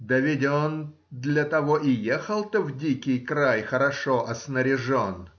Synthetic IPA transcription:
d̪əvʲɪdʲon | d̪lʲɐt̪ɐvoʔɪjexəlˠt̪ɔvdʲikʲɪjkɾajxəɾɐʂoʔɐsnəɾʲɪʐon

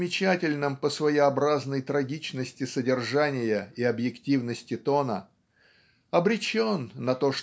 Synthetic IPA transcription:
mʲɪt͡ɕætʲɪlʲnɨmpəsvəjɪɐbɾaznəjt̪ɾɐɡʲit͡ɕnəsʲtʲɪsədʲɪrʐanʲɪjəiɐbjɪktʲivnəsʲtʲɪt̪o̞nə | ɐbɾʲɪt͡ɕonːɐt̪o̞ʂ

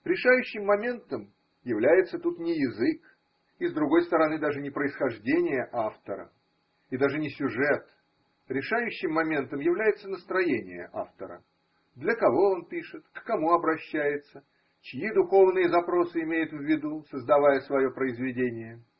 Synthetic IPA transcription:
ɾʲɪʂajʉɕːɪmːɐmʲe̞nt̪əm | jɪvlʲæjɪt̪sət̪ut̪nʲɪjɪzɨk | izd̪ɾʊɡo̞jst̪əɾɐnɨd̪aʐɨnʲɪpɾəɪsxɐʐdʲenʲɪjəʔaft̪əɾə̰ | id̪aʐɨnʲɪsʲʊʐɛt̪ | ɾʲɪʂajʉɕːɪmːɐmʲe̞nt̪əmjɪvlʲæjɪt̪sənəst̪ɾɐjenʲɪ̰jə̰ʔa̰ft̪əɾə̰ | d̪lʲəkɐvo̞onpʲiʂɨt̪kːɐmuɐbɾɐɕːæjɪt̪sə | t͡ɕɪjid̪ʊxo̞vnɨjəzɐpɾo̞sɨɪmʲejʊt̪vʲːɪd̪usəzd̪ɐvajəsvɐjo̞pɾəɪzvʲɪdʲenʲɪjə

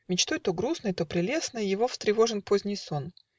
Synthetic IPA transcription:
mʲɪt͡ɕt̪o̞jt̪oɡɾusnəjt̪opɾʲɪlʲe̞snəjjɪvo̞ft̪ɾʲɪvo̞ʐɨnpo̞zʲnʲɪjso̞n

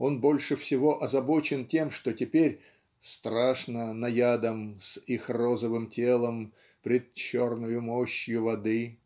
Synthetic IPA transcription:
o̞nbo̞lʲʂɨfsʲɪvo̞ʔɐzɐbo̞t͡ɕɪntʲe̞mʂt̪o̞tʲɪpʲeɾʲ | st̪ɾaʂnənɐjad̪əmsixro̞zəvɨmtʲelˠəm | pɾʲɪt̪̚t͡ɕo̞rnʊjʊmoɕjʊvɐd̪ɨ

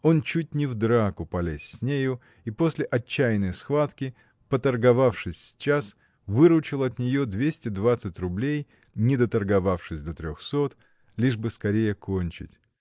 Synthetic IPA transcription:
o̞nt͡ɕut̚ʲnʲɪvd̪ɾakʊpɐlʲesʲsʲnʲejʊ | ipo̞sʲlʲɪʔɐt͡ɕːæjnəjsxvat̪kʲɪ | pət̪ərɡɐvafʂɨsʲt͡ɕas | vɨɾʊt͡ɕɪlˠɐt̪nʲɪjod̪vʲesʲtʲɪd̪vat̪sɨtʲrʊblʲej | nʲɪd̪ət̪ərɡɐvafʂɨsʲd̪ət̪ɾʲoxso̞t̪ | lʲiʐbɨskɐɾʲejəkʰonʲt͡ɕɪ̰tʲ

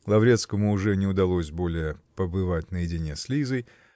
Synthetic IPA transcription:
lˠɐvɾʲe̞t̪skəmʊːʐɛnʲɪʊd̪ɐlˠo̞sʲbo̞lʲɪjəpəbɨvatʲnəjɪdʲɪnʲe̞slʲizəj

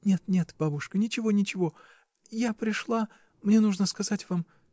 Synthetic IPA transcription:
nʲe̞t̪nʲe̞t̪b̥abʊʂkənʲɪt͡ɕɪvo̞nʲɪt͡ɕɪvo̞ | japɾʲɪʂlˠa | mnʲe̞nuʐnəskɐzatʲvam

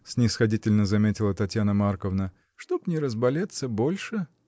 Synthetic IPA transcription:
snʲɪsxɐdʲitʲɪlʲnəzɐmʲetʲɪlˠət̪ɐtʲjanəmarkəvnə | ʂt̪o̞pnʲɪɾəzbɐlʲet̪səbo̞lʲʂɨ

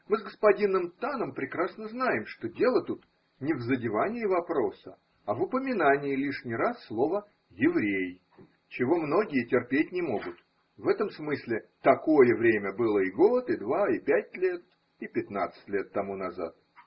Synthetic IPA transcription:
mɨzɡəspɐdʲinːɨmt̪anəmpɾʲɪkɾasnəznajɪmʂt̪o̞dʲe̞lˠət̪ut̪ | nʲɪvzədʲɪvanʲɪːvɐpɾo̞sə | ɐvʊpəmʲɪnanʲɪɪlʲiʂnʲɪɾasːlˠo̞və | jɪvɾʲej | t͡ɕɪvo̞mno̞ɡʲɪjətʲɪrpʲetʲnʲɪmo̞ɡʊt̪ | vɛt̪əmsmɨsʲlʲɪt̪ɐko̞jəvɾʲemʲəbɨlˠəɪɡo̞t̪ɪd̪vaɪpʲæt̚ʲlʲe̞t̪̚ | ɪpʲɪt̪na̰t̪sɨ̥tʲlʲe̞t̪ːɐmunɐza̰t̪̚

